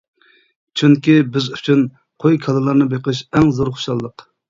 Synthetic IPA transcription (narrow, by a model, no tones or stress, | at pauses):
t͡ʃʰyŋkʲibɪzyt͡ʃʰyn | qʰojkʲʰɑlˠɨlˠɑɾnɨbeqəʃ̬ɛŋzoɾχo̥ʃɑlˠːəq